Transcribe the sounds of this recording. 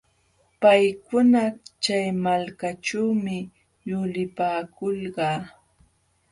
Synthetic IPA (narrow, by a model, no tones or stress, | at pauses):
pajkʊnat͡ʃajmalkaʈ͡ʂawmɪ | jʊlɪpaːkʊlɢɑː